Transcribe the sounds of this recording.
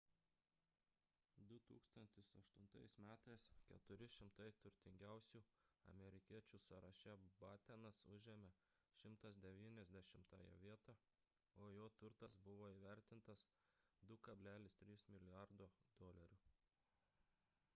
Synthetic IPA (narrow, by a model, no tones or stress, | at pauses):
d̪ʊt̪ṵːkst̪ɐnʲt̪ʲɪsɐʃt̪ʊnt̪ɐɪsmʲæːt̪ɐɪskʲɛt̪ʊɾʲɪʃʲɪmt̪ɐɪt̪ʊɾʲt̪ʲɪŋʲɡʲæˑʊsʲuːɐ̰mʲɛɾʲɪkʲiɛt͡ʃʲuːsɐɾɐʃʲæbɑːt̪ʲɛnɐsʊʒʲɛːmʲɛ | ʃʲɪmt̪ɐsd̪ʲɛʋʲiːnʲɛzʲd̪ʲɛʃʲɪmt̪ɑ̰ːjɛ̰ʋʲiɛt̪ɑ | oːjoːt̪ʊɾt̪ɐsbʊʋoːiːʋʲæɾʲt̪ʲɪnt̪ɐs | d̪ʊkɐbʲlʲæːlʲɪst̪ʲɾʲiːsmʲɪlʲɪjɑɾd̪oːd̪oːlʲɐɾʲuː